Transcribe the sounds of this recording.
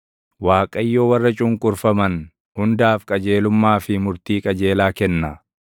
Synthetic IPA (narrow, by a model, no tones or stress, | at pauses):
waːkʼɐjːoːwɐrːɐt͡ʃʼʊŋkʼʊɾfɐmɐn | hʊnd̪aːfkʼɐd͡ʒe̞ːlʊmːaːfɪmʊɾt̪iːkʼɐd͡ʒe̞ːlaːkɛnːɐ